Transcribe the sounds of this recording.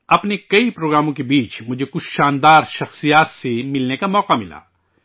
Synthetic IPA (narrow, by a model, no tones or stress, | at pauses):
ɐpnekɐipɾoːɡɾaːmõk̬ebiːt͡ʃmʊd͡ʒʱekʊt͡ʃʰʃaːnd̪aːɾʃɐxsijaːt̪semɪlnekamɔːqamɪla̰ː